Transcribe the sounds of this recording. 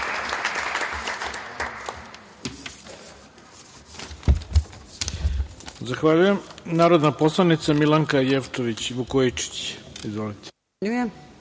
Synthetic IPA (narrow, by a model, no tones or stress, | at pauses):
zaxʋaʎujemnaːɾo̞d̪napo̞slˠanit̪samilˠaŋkajeft̪oʋit͡ɕʋukoit͡ʃi̥t͡ɕizʋo̞lit̪e̥ | ʎuje